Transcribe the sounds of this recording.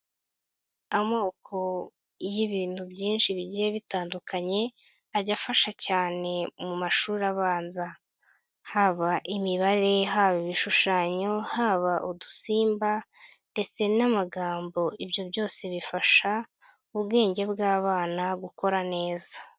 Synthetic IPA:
amoːkʰo̞ | jiβiːn̥hubjiːnʃiβiɟijeβitaːndukʰaɲe̞ | aɟafaʃacaːne̞mumaʃuːɾaβaːnza | haːβaʔimiβaɾe̞ɦaːβiβiʃuʃaːɲo̞haːβaʔudusiːmba | nde̞t͡se̞namaɡaːmbo̞ibjo̞bjo̞ːse̞βifaʃa | uβɡe̞ːɲɟe̞bɡaːβaːnaɡuko̞ɾane̞ːza

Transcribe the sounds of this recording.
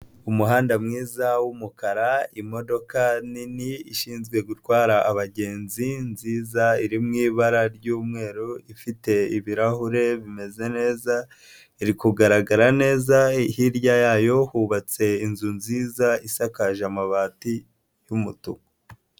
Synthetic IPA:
umuɦaːndamŋiːzawumukaɾaimo̞do̞kaniniiʃiːnzɡwe̞ɡutwaːɾaʔaβaɟe̞ːnzinziːzaiɾimŋiːβaɾaɾɟuːmŋe̞ːɾuifite̞iβiɾahuɾe̞βime̞ze̞ne̞ːza | iɾikuɡaɾaɡaɾane̞ːzahiɾɟajaːjo̞huβat͡se̞inzunziːzaisakaʒamaβaːti | jumutṵko

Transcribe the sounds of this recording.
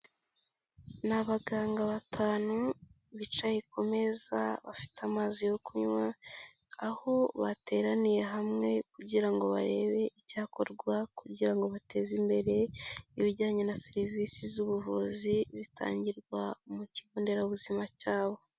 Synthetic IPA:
naβaɡaːŋɡaβatʰaːnu | βit͡ʃajikʰo̞me̞za̰βafi̥tamaːzijokuɲwa | aho̞βate̞ːɾanije̞ɦamŋe̞kuɟiɾaŋɡo̞βa̰ɾe̞ːβe̞ʔicaːko̞ɾɡwakuɟiɾaŋɡo̞βatʰe̞ːzimbe̞ɾe̞iβiɟaːɲe̞nase̞ɾiviːsizuβuvuzizita̰ːɲɟiɾɡwamuciβoːnde̞ɾauβuzimacaːβo̞

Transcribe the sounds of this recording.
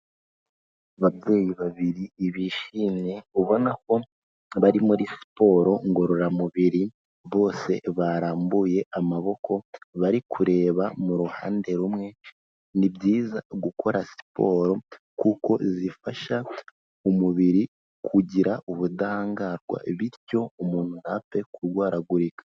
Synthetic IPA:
aβabɟe̞ːjiβaβiɾiːβiʃineuβo̞nako̞ | βaɾimuɾisi̥po̞ːɾo̞ŋɡo̞ɾoɾamuβiɾi | βo̞ːse̞̰βaɾaːmbuje̞ʔamaβo̞kʰo̞βaɾikʰuɾe̞ːβamuɾuhaːnde̞ɾumŋe̞ | nibjiːza̰ɡuko̞ɾasi̥po̞̰ːɾo̞ | kuko̞zifaʃa | umuβiɾi | kʰuɟiɾaʔuβudaaːŋɡaɾɡwa̰βiɾco̞umuːn̥hunape̞kuɾɡwaːɾaɡuɾikḁ

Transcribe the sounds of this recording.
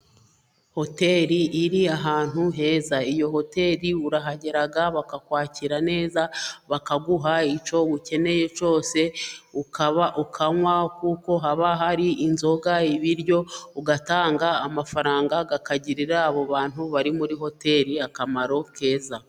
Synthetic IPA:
ho̞te̞ɾiʔːɾiaɦaːn̥huɦe̞ːzaijo̞ho̞te̞ːɾiuɾaɦaɟe̞ɾaɡaβakakwaːciɾane̞ːzaβakaɡuɦait͡ʃo̞βuce̞ne̞je̞t͡ʃo̞ːse̞ukaβaʔukʰaŋwakuːko̞ɦaβaɦaɾiʔinzo̞ɡaiβiɾɟo̞uɡataːŋɡaːmafaɾaːŋɡaɡakaɟiɾiɾaːβo̞βaːn̥huβaɾimuɾiho̞te̞ɾiakamaɾo̞kʰe̞ːza

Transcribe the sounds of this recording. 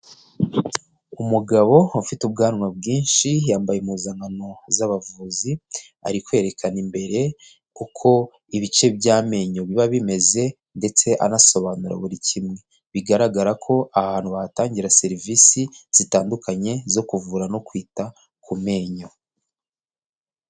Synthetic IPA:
umuɡaβo̞ufitub̚ɡaːnwabɡiːnʃijaːmbajemuzaŋano̞zaβavuːzi | a̰ɾikwe̞ːɾe̞kʰanimbe̞ɾe̞ | kukʰo̞ | iβit͡ʃe̞bjaːme̞ːɲoβiβaβime̞ze̞ | nde̞t͡se̞ʔa̰naso̞βanuɾa̰βuɾicʰimŋe̞ | βiɡaɾaɡaɾakʰo̞ʔahaːnhuβahataːɲɟiɾase̞ɾivisiz̥itaːndukʰaɲe̞zo̞kuvuːɾano̞kwiːta | kʰume̞ːɲo̞

